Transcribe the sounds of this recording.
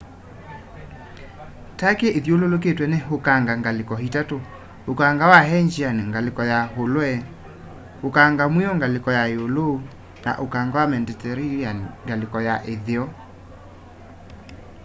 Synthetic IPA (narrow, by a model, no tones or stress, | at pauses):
takeʔeðjololok̬etwɛneɦokaŋɡaŋɡalekɔhitato | okaŋɡawaɦɛɲd͡ʒianeŋɡalekɔjaɦolwɛ | hokaŋɡamwiɔŋɡalekɔjajolo | na̰ʔokaŋɡawamɛndɛtɛɾianŋɡalekɔjaʔeðeɔ